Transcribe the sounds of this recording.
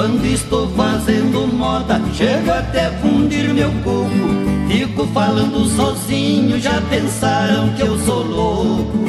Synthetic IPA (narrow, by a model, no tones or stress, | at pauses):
ɐ̃nd̪ʊist̪owfazẽnd̪ʊmɔd̪ɐʃeɡʊat̪ɛfũd͡ʒiɾmewkõmʊfikʊfalɐ̃nd̪ʊsɔzĩɲʊʒapẽsaɾɐ̃w̃kɪewsowlokʊ